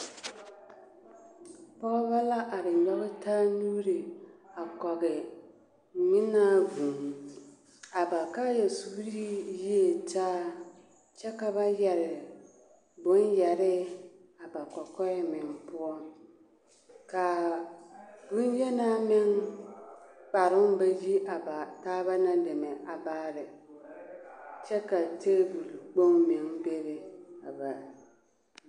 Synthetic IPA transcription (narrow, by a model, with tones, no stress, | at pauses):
pɔ˦ɣɔ˦ba˦la˦ʔa˨ɾɪ˨ɔ˦ɣɪ˦taː˦nu˦ɾi˨a˨kɔ˨ɣɪ˨ | ɲɪ˦na˦vu˨ŋ˨ | a˨ba˨ka˦jɛ˨su˦ɾi˦ji˦e˨taː˦ | t͡ʃɛ˦ka˨βa˦jɛ˨ɾɪ˨ | bʊ˨˦njɛ˨ɾɪ˦a˨ba˨kɔ˨kɔ˦ɪ˦mɪ˨ŋ˨pʊ˦ɔ˦ | ka˨ | bʊ˦n˦jɛ˦na˦mɪ˦ŋ | k͡pa˨ɾɪ˦m˦ba˦ji˦ʔa˨ba˨taː˦ba˦na˦de˨mɛ˨ʔa˨baː˦ɾɪ˨ | t͡ʃɛ˦ka˨te˦bu˨lu˨k͡po˦ŋmɪ˨ŋbe˦bɛ˨a̰˨ba˨